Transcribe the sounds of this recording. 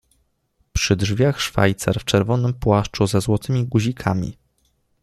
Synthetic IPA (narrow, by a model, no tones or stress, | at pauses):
pʂɘdʐvʲjaxʂfa̰jt̪sa̰ɾft͡ʂɛɾvɔnɘmpwaʂt͡ʂuzɛzwɔt̪ɘmʲiɡuʑikʰamʲḭ